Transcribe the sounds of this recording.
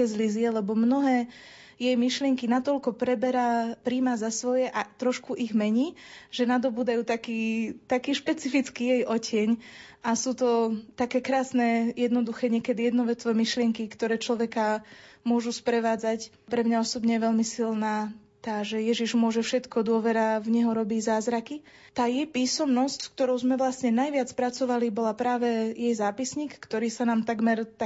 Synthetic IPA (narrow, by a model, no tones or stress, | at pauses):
ɛzlizɪɛlɛbɔmnɔɦɛː | jɛjmiʃlɪɛŋkinat̪ɔʎkɔpɾɛbɛɾapɾiːmazasʋɔjɛʔat̪ɾɔʃkuʔiɣmɛɲiːʒ̥ɛnad̪ɔbuːd̪ajuːt̪akiːt̪akiːʃpɛt͡sifit͡skiːjɛjʔɔcɛɲʔasuːt̪ɔt̪akɛːkɾaːsnɛjɛd̪nɔd̪uxɛːɲɪɛkɛd̪ijɛd̪nɔʋɛt͡sɔʋɛːmiʃlɪɛŋkikt̪ɔɾɛːt͡ʃlɔʋɛkamʊɔʒuspɾɛʋaːd͡zac | pɾɛmɲaɔsɔbɲɛjɛʋɛʎmisilnaː | t̪aːʒɛjɛʒiʒmʊɔʒɛfʃɛt̪kɔd̪ʊɔʋɛɾavɲɛɦɔɾɔbiːzaːzɾaki | t̪aːjɛjpiːsɔmnɔscsk̚t̪ɔɾɔʊzmɛʋlasɲɛnajʋɪat͡spɾat͡sɔʋalibɔlapɾaːʋɛjɛjzaːpisɲiːkːkt̪ɔɾiːsanaːmt̪aɡmɛɾt̪a